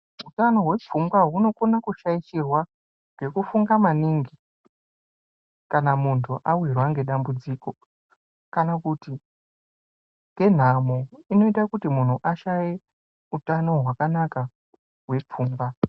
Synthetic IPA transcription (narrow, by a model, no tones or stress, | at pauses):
ɦutano̞ɦwe̞p͡fumɡwaɦuno̞konakuʃait͡ʃirwa | ɡe̞kufuŋɡamaniŋɡi | kanamuntʰuʔawirwaŋɡe̞ɗambud͡ziko̞ | kanakuti | ŋɡe̞n̤amoino̞itakutimun̤uʔaʃaje | utano̞ɦwakanaka | ɦwe̞p͡fuːmba